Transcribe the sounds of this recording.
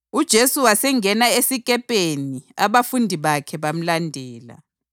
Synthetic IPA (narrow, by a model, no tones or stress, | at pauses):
ud̥ʒ̥ʱesuwasɛŋɛnaesikʼɛpʼeniaβafundʱiβakʰɛβam̩landʱɛːla̰